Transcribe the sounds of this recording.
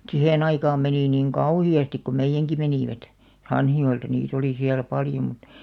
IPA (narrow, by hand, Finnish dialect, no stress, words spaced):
sihen ɑikɑːm meniˑ niŋ kɑuhiɑstik ko meijːæŋki meniˑʋæt hɑnhijoeltɑ niːt oli siæl pɑljo mŭt